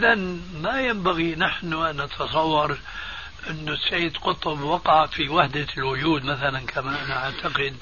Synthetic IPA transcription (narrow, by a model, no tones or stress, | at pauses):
ʔɪðanmajambaɣinaħnʊʔanːɑt̪ʰɑsˤɑwːɑɾˤ | ʔɪnːʊsaːd̪qʊt̪ˤʊbwɑqɑʕfiwaħd̪alwʊd͡ʒuːd̪maθalankʰamaʔanaʕaʕt̪ʰaqɪd̪